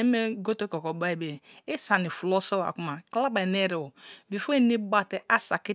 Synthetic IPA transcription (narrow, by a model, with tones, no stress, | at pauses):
e˦me˦ɡo˦to˦kɔ˨kɔ˨ba˦i˨be˨e˦sa˨ni˨fu˨lɔ˦so˦wa̰˨ku˦ma˨kla˦ba˨ne˦ɾe˨wo˨bi˨fo˦e˦ni˦ba˦te˦ʔa˦sa˨ki˦